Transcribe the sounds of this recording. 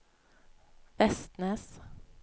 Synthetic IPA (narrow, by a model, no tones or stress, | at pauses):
fɛst̪nəs